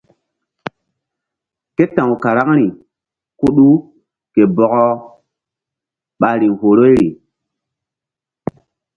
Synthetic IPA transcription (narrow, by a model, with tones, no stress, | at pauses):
ke˦tã˨ŋu˨ka˨ɾa˦ŋɾi˨ | ku˦ɗu˦ | ke˨bɔ˨kɔ˦ | ɓa˨ɾi˨ŋho˨ɾo˦jɾi˨